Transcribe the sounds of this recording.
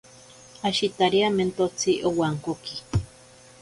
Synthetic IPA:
aʃit̪aɾiament̪ot͡sʰiʔowaŋkoki̥

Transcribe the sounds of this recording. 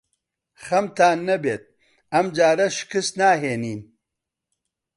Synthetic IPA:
xɐmt̪aːnːɐbeːt̪̚ | ɐmd͡ʒaːɾɐʃkɨsnaːɦeːniːn

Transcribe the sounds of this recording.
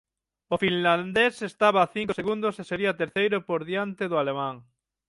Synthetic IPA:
ofinland̪esest̪aβaːθiŋkoseɣund̪oseseɾiat̪eɾθejɾopoɾðjant̪eðoalemãŋ

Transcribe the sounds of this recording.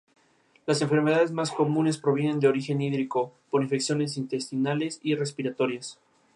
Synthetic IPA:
lase̞ɱfe̞ɾmeð̞aðe̞zmasko̞mũne̞spɾo̞β̞je̞ne̞nd̪eo̞ɾixe̞niðɾiko̞poɾiɱfe̞ksjo̞ne̞s̬int̪e̞st̪inale̞sire̞spiɾat̪o̞ɾjas

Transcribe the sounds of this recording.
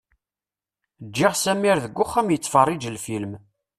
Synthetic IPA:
d͡ʒːɪʁsæmiɾðəɡʷːʊχːæmjət͡sːfərˤːɪd͡ʒəlfilm

